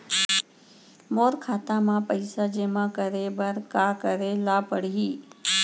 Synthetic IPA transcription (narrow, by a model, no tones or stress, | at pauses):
moːɾkʰaːt̪amãpəɪsad͡ʒeːmãkəɾebəɾkakəɾelapəɽiɦiː